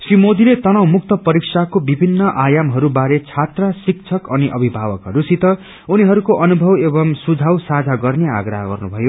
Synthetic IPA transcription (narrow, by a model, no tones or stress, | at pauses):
srimod̪ilet̪ʌnawmuk̚t̪ʌpʌɾiksakobibʱinːʌʔajamɦʌɾubaɾet͡sʰat̪rasik̚t͡sʰʌkʌniʔʌbʱibʱabʌkɦʌɾusit̪ʌ | uniɦʌɾukoʔʌnubʱʌwebʌmsud͡zʱawsad͡zʱaɡʌrnea̰ɡɾʌɦʌɡʌ̰rnubʱʌjo